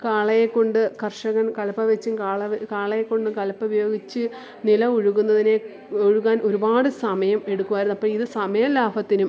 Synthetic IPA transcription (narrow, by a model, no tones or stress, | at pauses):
kaːɭɐjekːo̞ɳɖɨkɐrʂɐɣɐnkɐlɐpːɐʋet͡ɕːɨkaːɭɐkaːɭɐjekːo̞ɳɖɨkɐlɐpːɐbɐjo̞ːɡit͡ɕːɨ | nilɐuɻuɣunːɐðine̞ | oɻuɣaːnʔo̞ɾubaːɽɨsɐmɐjɐme̞ɽukːuʋaːjɾunːɐpːoɭiðɨsɐmɐjɐlaːbʱɐt̪ːinum